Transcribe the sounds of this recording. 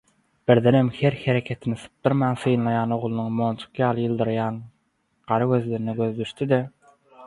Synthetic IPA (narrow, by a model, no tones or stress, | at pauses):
b̥iɾðenemheɾheɾekʲʰe̞t̪ʰinisɯ̥p̚d̪ɯɾmɑːnθɯjnlˠɑjɑːno̞ʁlˠɯnuŋmont͡ʃʰu̥qjɑːlˠɯjɯlˠd̪ɯɾjɑːn | ɢ̥ɑɾɯɡø̞zleɾinɛɡøðd̪yʃt̪id̪e